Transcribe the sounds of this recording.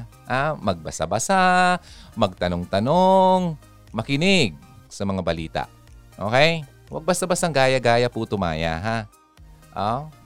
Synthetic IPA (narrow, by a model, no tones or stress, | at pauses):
hamɐɡ̚bɐsɐ̰bɐsa | mɐɡ̚t̪ɐnoŋt̪ɐnoŋ | mɐkɪnɪɡ̚sɐmɐŋabɐliːt̪a̰ʔ | ʔo̰ːkɛj | wɐ̰ɡ̚bɐsabɐsaŋɡaːjɐɡaːjɐput̪ʊma̰ːja̰ɦa | ʔo